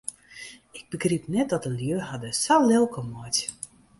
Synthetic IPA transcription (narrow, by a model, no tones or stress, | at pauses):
ɪɡ̚bəɡripnɛt̚dɔtəljøːrɦadəsalɪlˠkʰəmɔt